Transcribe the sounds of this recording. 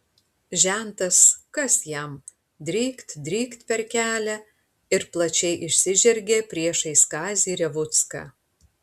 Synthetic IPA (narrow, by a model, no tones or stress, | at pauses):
ʒʲænt̪ɐskɐsjɛm | d̪ʲɾʲiːkt̪d̪ʲɾʲiːkt̪pʲɛɾkʲæːlʲæ | ɪɾplˠɐt͡ʃʲɛɪʔɪʃʲsʲɪʒʲɛɾʲɡʲeːpʲɾʲiɛʃɐɪskɑːzʲiːɾʲɛʋʊt̪skɑ̰ː